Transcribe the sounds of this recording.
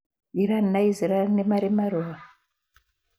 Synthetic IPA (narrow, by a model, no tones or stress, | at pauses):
iɾannaiziɾanemaɾemaɾoa